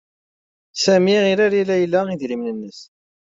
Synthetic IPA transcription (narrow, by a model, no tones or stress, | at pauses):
sæmiʁiɾæɾilːæjəlːaiðɾimnənːəs